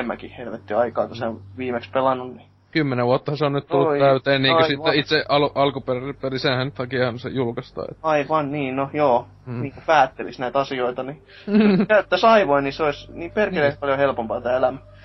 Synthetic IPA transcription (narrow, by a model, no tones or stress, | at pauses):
emːæ̰kihhelʋet̪ːiɑikɑːk̪oseʋiːmekspelɑnːunni | kymːeneʋʋuot̪ːɑhɑseonnyt̪t̪ulːut̪itæyt̪eːnniːkøsit̪ːeit̪seɑluʔɑlkuperpelisenhænt̪hɑkiɑhɑnsḛjulkɑst̪ɑ̰ːḛt̪ːɑiʋɑnniːnojoː | niːŋkupæːt̪ːelḭsnæit̪ɑsioit̪ɑni | kæyt̪ːæsɑiʋoiniseoisniːmperkeleːspɑljohelpompɑːt̪æːelæmæ